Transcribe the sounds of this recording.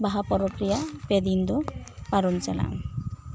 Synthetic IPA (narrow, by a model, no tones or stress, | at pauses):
baɦapɔɾɔkɾijaped̪ind̪ɔpaɾɔnt͡ʃala̰ŋ